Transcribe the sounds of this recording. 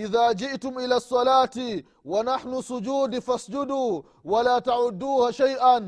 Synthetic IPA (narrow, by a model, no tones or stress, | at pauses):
ʔɪðaːd͡ʒɪʔtʊmʔɪlaːsˤːɑlaːti | wanaħnʊsʊd͡ʒuːd̪fasd͡ʒʊd̪uː | walaːtaʕʊd̪ːuːhaʃajʔan